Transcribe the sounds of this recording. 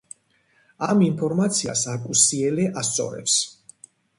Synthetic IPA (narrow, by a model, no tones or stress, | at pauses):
aminpʰɔɾmat̪sʰia̰sakʼusiɛlɛʔast̪sʼɔ̰ɾɛ̰ps